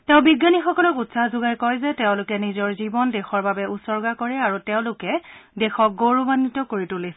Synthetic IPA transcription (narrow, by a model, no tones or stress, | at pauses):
tɛʊ̃biɡːanixɔkɔlɔkutsahzʊɡajkɔjzɛtɛʊ̃lʊkɛnizɔɹzibɔndɛxɔɹbabɛusɔɹɡakɔɹɛaɹutɛʊ̃lʊkɛdɛxɔk̚ɡoɹubanːitɔkoɹitulis